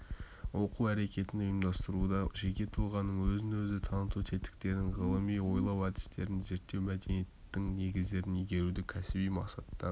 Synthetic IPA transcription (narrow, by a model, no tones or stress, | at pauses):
wo̞quæɾe̞kʲe̞t̪ɪnʊjəmd̪ɑst̪əɾud̪ɑʒekʲe̞t̪ʰʊlˠʁɑnːəɴwɵzɪnwɵzɪt̪ʰɑnət̪ut̪ʰe̞t̪ɪ̥k̚t̪e̞ɾd̪ɪŋʁəlˠəmijwo̞jlˠɑwɑd̪ɪ̥st̪eɾɪnze̞ɾt̪ːe̞wmæd̪e̞nijet̪ːɪŋne̞ɡʲɪzd̪e̞ɾɪnijɡʲe̞ɾud̪ɪkʲʰæsɪbijmɑqsɑt̪ːɑɾ